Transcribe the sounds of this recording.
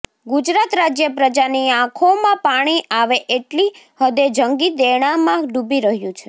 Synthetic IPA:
ɡud͡ʒɾat̪ɾad͡ʒjəpɾəd͡ʒaniãkʰomãpaɽ̃iaʋeʔeʈli | həd̪ed͡ʒəŋɡid̪eɽ̃ãmãɖubiɾəɦjũt͡ʃʰe

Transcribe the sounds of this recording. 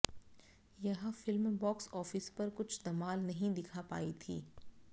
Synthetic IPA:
jɐɦfɪlmbɔːksɔːfɪspɐɾkʊt͡ʃʰd̪ɐmaːlnɐɦĩd̪ɪkʰapa̰ːit̪ʰḭː

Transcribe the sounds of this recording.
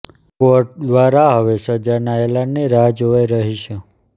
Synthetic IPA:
koʈ̚d̪ʋaɾaɦəʋesəd͡ʒanaelanniɾad͡ʒoʋeɾəɦiʃʰe

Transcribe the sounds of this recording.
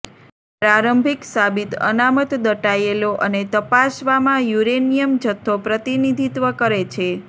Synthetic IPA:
pɾaɾəmbʱiksabit̪ə̰namət̪d̪əʈajeloʔənet̪əpasʋamãjuɾenijəmd͡ʒət̪ʰːopɾət̪inid̪ʱit̪ʋəkəɾet͡ʃʰe

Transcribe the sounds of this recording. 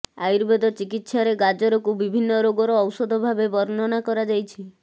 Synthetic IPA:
ajɾbed̪ɔt͡ʃikit̪saɾeɡad͡ʒɔɾɔkubibʱinːɔɾoɡɔɾɔːwsɔd̪ʱɔbʱabebɔɾnɔnakɔɾad͡ʒajt͡ʃʰi

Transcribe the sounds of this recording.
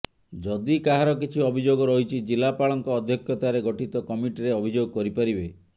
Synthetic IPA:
d͡ʒɔd̪ikaɦaɾɔkit͡ʃʰiɔbʱid͡ʒoɡɔɾɔɦit͡ʃʰid͡ʒilapaɭɔŋkɔːd̪ʱjɔkʰjɔt̪aɾeɡɔʈit̪ɔkɔmiʈiɾeɔbʱid͡ʒoɡɔkɔɾipaɾibe

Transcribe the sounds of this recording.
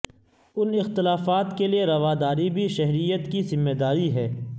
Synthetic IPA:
ʊnɪxt̪ɪlaːfaːt̪kelieɾɐʋaːd̪aːɾibʱiʃɛɦɾijət̪kizɪmːeːd̪aːɾiɦɛː

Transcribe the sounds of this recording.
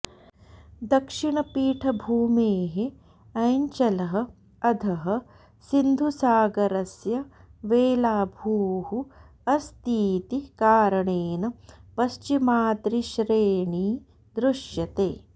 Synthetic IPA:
d̪ɐkʂiɳɐpiːʈʰɐbʱuːmeːɦe | ɐjɲt͡ʃɐlɐɦɐ̆ | ɐd̪ʱɐɦɐ̆ | sind̪ʱusaːɡɐɾɐsjɐ | ʋeːlaːbʱuːhu | ɐst̪iːt̪ikaːɾɐɳeːnɐpɐst͡ʃimaːt̪ɾiʃɾeːɳiː | d̪ɾuʃjɐt̪eː

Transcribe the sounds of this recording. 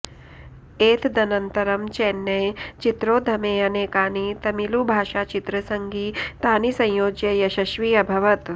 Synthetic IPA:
eːt̪d̪ɐnɐnt̪ɐɾɐmt͡ʃɛːnːɐjt͡ʃit̪ɾoːd̪ʱɐmeːɐneːkaːnit̪ɐmilubʱaːʃaːt͡ʃit̪ɾɐsɐŋɡiːt̪aːnisɐ̃j̃joːd͡ʒjɐjɐʃɐʃʋiɐbʱɐʋɐt̪

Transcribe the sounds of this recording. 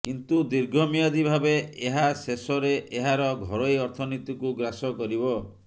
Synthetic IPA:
kint̪ud̪iɾɡʱɔmijad̪ibʱabeeɦasesɔɾeʔeɦaɾɔɡʱɔɾojɔɾt̪ʰɔnit̪ikuɡɾasɔkɔɾibɔ

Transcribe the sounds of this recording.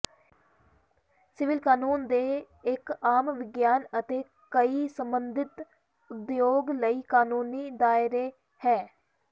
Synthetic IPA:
sɪʋɪlkaːnuːnd̪eː | ɪkaːmʋɪɡjaːnət̪eː | kəiːsəmbənd̪ɪt̪ | ʊd̪joːɡləiːkaːnuːniːd̪aːɪɾeː | hɛː

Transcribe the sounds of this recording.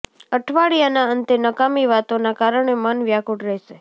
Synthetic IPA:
əʈʰʋaɽijanaənt̪enəkamiʋat̪onakaɾəɳemənʋjakuʈɾɛɦʃe

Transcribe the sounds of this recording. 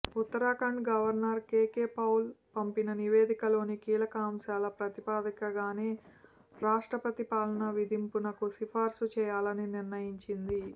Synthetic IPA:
ut̪ːɐɾaːkɐɳɖɡɐʋɐɾnɐɾkeːkeːpɐwlpɐmpinɐniʋe̞ːd̪ikɐlo̞ːnikiːlɐkɐːmʃaːlɐpɾɐt̪ipaːd̪ɐkɐɡaːneː | ɾaːʂʈɾɐpɐt̪ipaːlɐnɐʋid̪impunɐkusipʰaːɾsut͡ʃɛːjaːlɐniniɾnɐjiɲt͡ʃind̪i

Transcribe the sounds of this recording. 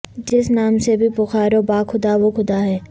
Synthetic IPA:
d͡ʒɪsnaːmsebʱipʊxaːɾobaːkʰʊd̪aʋokʰʊd̪aɦɛː

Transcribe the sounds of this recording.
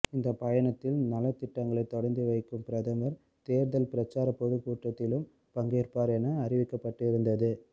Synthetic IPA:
ɪnd̪ɐpɐjɐɳɐt̪ːɪlnɐlɐt̪ɪʈːɐŋɡɐɭɐɪt̪ːɔɽɐɾnd̪iʋɐɪkːɯmpɪɾɐðɐŋɡɐɾ | t̪eːɾðɐlpɪɾɐt͡ʃːaːɾɐpːoðɯkuːʈrɐt̪ːɪlɯm | pɐŋɡeːɾpaːɾɛnɐːɾɪʋɪkːɐpːɐʈːɪɪɾɯnd̪ɐðɯ

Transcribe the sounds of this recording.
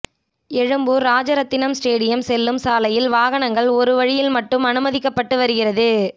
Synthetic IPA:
ɛɻɯmbɯːɾaːd͡ʒɐɾɐt̪ːɪnɐmsʈeːɽɪjɐmsɛlːɯmsaːlɐjɪlʋaːɣɐɳɐŋɡɐɭɔɾɯʋɐɻɪjɪlmɐʈːɯmɐnɯmɐðɪkːɐpːɐʈːɯʋɐɾɯɣɪɾɐðɯ

